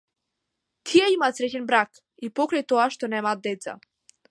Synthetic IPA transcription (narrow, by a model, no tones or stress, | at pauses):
t̪ʰijɛimaːt̪sɾɛcɛnbɾak | ipɔkɾajt̪ɔaʃt̪ɔnɛmaːd̪̚d̪ɛt̪sa̰